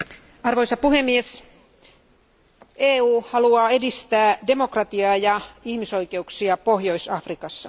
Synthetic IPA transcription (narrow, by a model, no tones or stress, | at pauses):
ɑrʋo̞jsɑpuhe̞mːies | eːuːhɑluɑːe̞dist̪æːdemo̞krɑt̪iɑːjɑihmiso̞ike̞uksiɑpohjo̞isɑfrikɑsːɑ